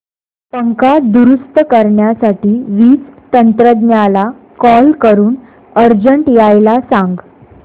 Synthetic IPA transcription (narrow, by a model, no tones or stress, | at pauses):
pəŋkad̪uɾust̪əkəɾɳjasaʈiːʋiːt͡st̪ənt̪ɾəd̪njala | kɔlkəɾuːn | əɾd͡ʑəɳʈjajlasãŋɡ